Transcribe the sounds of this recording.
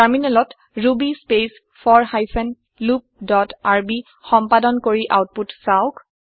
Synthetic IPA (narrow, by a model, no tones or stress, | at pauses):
taɹminɛlɔt | ɹubispes | fʰɔɹhajsɛn | lup̚dɔtaɹbi | xɔmpadɔnkoɹiʔawt̚putsaʊk